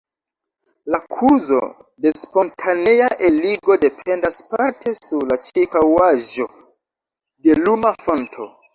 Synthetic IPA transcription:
lakʰuzo̞̰ | de̞spo̞ntʰanejaʔeliɡo̞de̞pʰe̞ndaspaɾtʰe̞suɾlat͡ʃekawaʒo̞ | de̞lumafo̞ntʰo̞̰

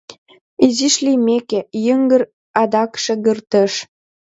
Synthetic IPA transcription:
iziʃlimekejəŋɡə̆r | ɑd̪ɑkʃĕɣərt̪əʃ

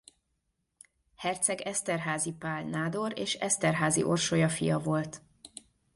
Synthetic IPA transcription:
hɛrt̪sɛɡɛst̪ɛrɦaːzipaːlnaːd̪o̞ɾeːʃɛst̪ɛrɦaːzḭʔo̞rʃojɒfḭjɒvo̞lt̪

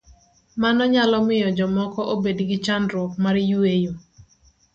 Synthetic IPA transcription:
manɔɲalɔmɪjɔd͡ʒɔmɔkɔʔobedɡɪt͡ʃandɾwɔk̚maɾjuejo

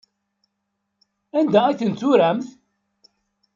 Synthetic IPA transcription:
ænd̪æiθənt͡s̪ːʊɾæmθ

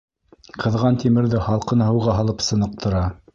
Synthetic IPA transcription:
qʰɤ̆ðʁɑnt̪imɘ̆ɾðɘχɑlˠqɤ̆nɤhɤ̆wʁɑɦɑlˠɤpsɤ̆nɤ̆q̚t̪ʰɤ̆ɾɑ

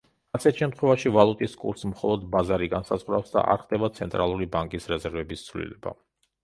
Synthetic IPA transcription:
asʰɛt̪ʰʃɛmt̪ʰχwɛvaʃivalˠut̪ʼiskʼṵɾsmχɔlˠɔd̪bazaɾiɡansazʁwɾafsd̪a̰ʔa̰ɾχd̪ɛbat̪sʰɛnt̪ʼɾalˠuɾibaŋkʼisɾɛzɛɾvɛbist̪sʰvlḭlɛba̰

